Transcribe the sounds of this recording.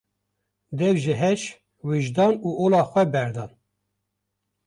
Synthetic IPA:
d̪ɛvʒɨɦɛʃ | wiʒd̪ɑːnuːʔoːlɑːxʷɛbɛɾd̪ɑːn

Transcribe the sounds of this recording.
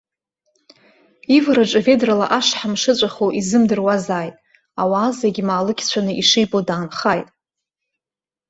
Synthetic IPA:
ivɾaʈ͡ʂʼave̞drala̰ʔaʂħamʂɨt͡ɕʷʼaχoʔizɨmdɨrwazaːjtʼ | awaːzaɡʲimaːlɨkʲʰt͡ɕʷʰanɨʔiʂijbodaːnχaːjtʼ

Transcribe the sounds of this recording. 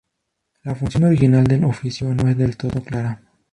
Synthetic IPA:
lafuŋt̪sijnoɾiɣinald̪elofisjuanued̪elt̪od̪oklaɾa

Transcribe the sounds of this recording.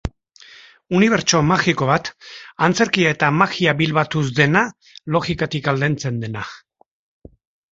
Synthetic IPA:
uniβ̞e̞ɾt͡ʃo̞maxiko̞β̞at̪ant͡se̞ɾkiae̞t̪amaxiaβilβat̪uzd̪e̞na | lo̞ɣikat̪ikald̪ent͡se̞nd̪e̞na

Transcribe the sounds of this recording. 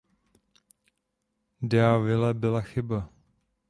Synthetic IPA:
dɛavɪlɛbɪlaxɪba

